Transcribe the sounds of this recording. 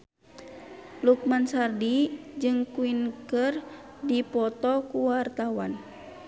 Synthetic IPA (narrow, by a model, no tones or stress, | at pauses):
luk̚mansardid͡ʒɨŋkuinkərdipɔt̪ɔkuwart̪awan